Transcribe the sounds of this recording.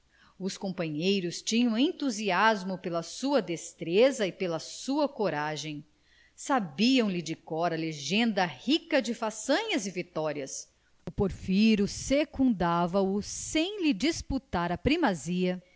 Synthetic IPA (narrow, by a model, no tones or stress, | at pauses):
ʊskõpɐ̃ɲejɾʊst͡ʃĩɲɐ̃w̃ẽnt̪uziazmʊpelɐsuɐd̪est̪ɾezɐɪpelɐsuɐkoɾaʒẽj̃ | sabiɐ̃w̃lɪd͡ʒɪkɔɾɐleʒẽnd̪ɐhikɐd͡ʒɪfasɐ̃ɲɐzɪvit̪ɔɾiɐs | ʊpoɾfiɾʊsekũnd̪avɐʊsẽj̃lɪd͡ʒisput̪aɾɐpɾimaziɐ